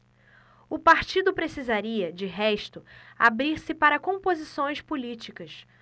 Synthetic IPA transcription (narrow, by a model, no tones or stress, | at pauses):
ʊpaɾt͡ʃid̪ʊpɾesizaɾiɐd͡ʒɪɦɛʃt̪ʊa̰bɾiɾsɪpaɾɐkõpozisõj̃spulit͡ʃikɐs